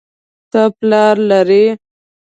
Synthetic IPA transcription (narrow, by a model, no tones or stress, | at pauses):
t̪əplɑɾlaɾe